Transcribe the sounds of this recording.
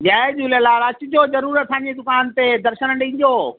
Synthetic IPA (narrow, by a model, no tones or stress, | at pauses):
ɡaːed͡ʑuləlaɾɐt͡ɕʊd͡ʑoːzɐɾuːɾət̪ʰːãːɲd͡ʑed̪ʊkaːnt̪ed̪ɐɾʃənəɳɖĩːn̆d̪oː